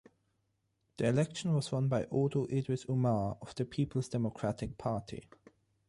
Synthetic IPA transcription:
ðiɨlɛkʃə̃n̩wʌzwʌ̃nbaɪʔɔːdoʔɪdwɪsumɑɹəv̥ðəpʰipʰəl̩ˠzdɛmɔkʰɹ̥ætɪk̚pʰɑɹtʰḭ

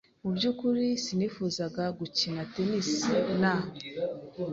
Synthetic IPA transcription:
mubɟuːkuɾisiniːfuːzaɡaɡucinatenisna

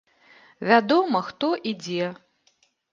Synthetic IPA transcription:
vʲad̪ɔmɐxt̪ɔʔid͡zʲɛ

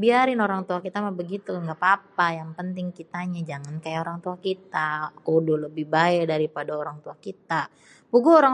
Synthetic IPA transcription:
biaɾɪnoɾaŋt̪uakit̪amahbəɡit̪uŋɡapapajaŋpənt̪ɪŋkit̪aɲad͡ʒaŋankajaoɾaŋt̪uakit̪akodʊləbɪhbaɛdaɾipadaoɾaŋt̪uakit̪a | puɡuoɾa

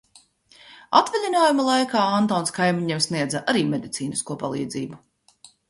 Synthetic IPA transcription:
a̰t̪vɛlʲinaːjumalˠajkaːant̪ɔːnskajmʲiɲɛmsniɛd̪zaʔaɾiːmʲɛd̪ʲit̪siːniskuɔpalˠiːd̪ziːbu

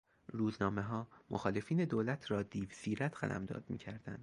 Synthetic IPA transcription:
ɾuːznɒːme̞ɦɒːmoxɒːle̞fiːne̞d̪oːlæt̪ʰɾɒːd̪iːvsiːɾæt̪ʰxæ̰lʔæ̰md̪ɒ̰ːd̪̚mḭːcʰæɾd̪æ̰nd̪̥

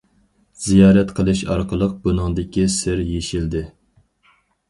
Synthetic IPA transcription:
z̥ijɑːɾɛt̪qʰəlˠɨʃɑ̰ɾqʰəlˠəq̚bunɨŋd̪ɪkʲisɪɾjeʃild̪ɪ

